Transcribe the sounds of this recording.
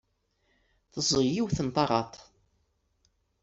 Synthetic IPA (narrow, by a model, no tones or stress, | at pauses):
θəzˤəʁjiwθənt̪ˤɑɾˤɑt̪ˤ